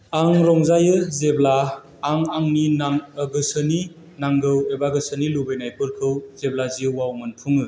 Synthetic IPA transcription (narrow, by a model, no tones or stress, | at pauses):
aŋɾɔŋzajɯzeblaː | ŋaŋninaŋɡɯsɯni | naŋɡɯwebaɡɯsɯnilubɯjnajpɯlkʰɯwzeblaziɯwawmɯnpʰuŋɯ